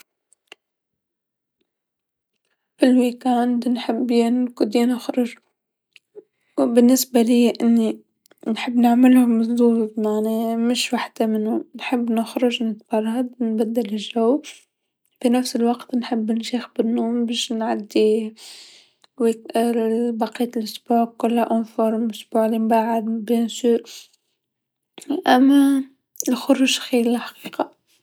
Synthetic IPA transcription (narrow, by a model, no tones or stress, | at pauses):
fɪlwikand̪nħɪbːjankʊd̪inɪxɾʊʒ | bɪnːɪsbaliːʔɪnːi | nħɪbːnɪʕmɪlamʊsdˤuːbmaʕnemɪʃwaħd̪amɪnːʊnħɪbːnɪxɾʊʒnɪt̪b̥ɑrˤːɑd̪nbad̪ːalɪʒaw | finæfsɪlwɑqt̪nħɪbːnʃeːxbɪnːoːmbeːʃnʕad̪ːi | wi | bɑqiːt̪lʔʊsbuːʕkːʊlhaʔonfoɾˤmʊsb̥uːʕlimbaːʕad̪bensuːɾ | ʔæmːæ | ɪlxʊɾuːʒxiːɾħḁqiːqɑ